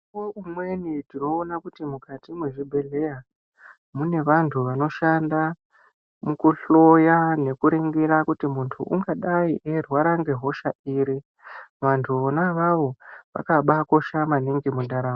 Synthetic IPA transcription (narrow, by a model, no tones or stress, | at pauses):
oumwe̞nidino̞ːnakutimukatimwe̞ʐibʱe̞ɮe̞ja | mune̞ʋantʰuʋano̞ʃanda | mukuɬo̞jane̞kuɾeŋɡiɾakutimuntʰṵʔuŋɡaɗaiʔerwaɾaŋɡe̞ɦo̞ʃaiːɾi | ʋantʰuonaʋaʋo̞ʋa̰kaɓako̞ʃamaniŋɡimundaɾaːma